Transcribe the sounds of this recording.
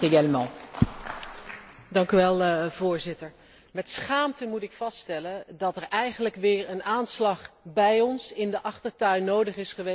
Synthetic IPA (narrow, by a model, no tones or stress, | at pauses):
əjɛlmɔ̃ | dɑŋkyʋɛlˠv̥ʊːɹzɪtəɹ | mɛtsχaːmtəmutɪkfɑststɛləndɑtɛɹʔɛjχənləkʋɪːɹənaːnslɑχbɛjɔnsɪndəʔɑχtəɹtœɥnːowdəχɪsχəʋe